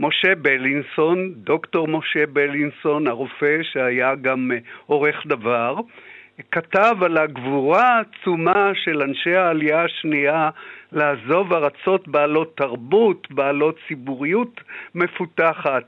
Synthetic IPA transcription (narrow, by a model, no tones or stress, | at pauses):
mo̞ʃe̞beliŋsondo̞kto̞ʁmo̞ʃe̞belinso̞naʁofe̞ʃeajaɡamo̞ʁe̞χdavaʁkatavalaɡvuʁaːt͡sumaʃe̞lanʃe̞haːliaaʃnialaːzo̞vaʁat͡so̞tbaːlo̞tːaʁbutbaːlo̞t͡sibuʁijutme̞futaχat̚